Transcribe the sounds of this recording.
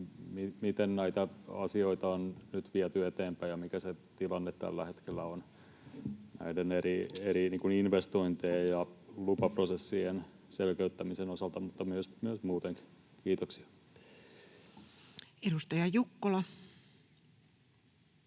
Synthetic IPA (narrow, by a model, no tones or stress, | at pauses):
mimit̪ennæit̪æɑ̰sioit̪ɑonnyt̪ʋiæt̪yet̪eːmpæjɑmikæset̪ilɑnːet̪t̪æ̰lːæhet̪kelːæon | næ̰ideneɾieɾiniːŋkuninʋest̪oint̪eːjjɑlupɑprosesːien | selkøyt̪ːæmisenosɑlt̪ɑmut̪ːɑmyøsmyøsmuːt̪eŋki̥kiːt̪oksi̥ɑ̥ | edust̪ɑjɑjukːolɑ